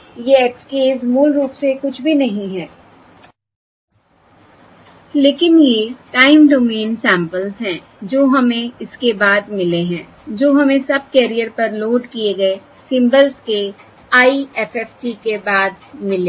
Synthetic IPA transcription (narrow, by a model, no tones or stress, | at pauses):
jeɛkskeːzmuːlɾuːpsekʊt͡ʃʰbʱinɐɦĩɦɛː | leːkɪnjeʈaːɪmɖoːmẽːnsɛ̃ːmpəlzɦɛ̃ː | d͡ʒoːɦɐmẽɪskebaːd̪̚mɪleɦɛ̃ː | d͡ʒoːɦɐmẽsɐb̚kɛːɾijəɾpɐɾloːɖkieɡɐe | sɪ̃mbəlzke | aːiɛːfɛːfʈikebaːd̪̚mɪleː